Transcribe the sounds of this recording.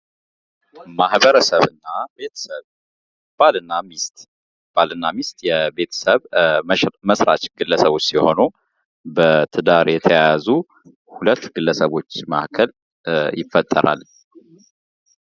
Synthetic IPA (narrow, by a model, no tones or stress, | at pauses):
mahbəɾəsəβɨnːabe̞t̪ʰə̥səβ | b̥alɨnːamist̪ | b̥alɨnːamist̪jɛbe̞t̪ʰə̥səβ | məsɾa̰t͡ʃɡɨlːəsəβo̞t͡ʃːsiho̞nu | bət̪ʰɨd̪aɾjɛt̪ʰəjajazu | hulət̪ːɡɨlːəsəβo̞t͡ʃːma̰ʔkʰəl | jɪfːət̪ʼːəɾa̰l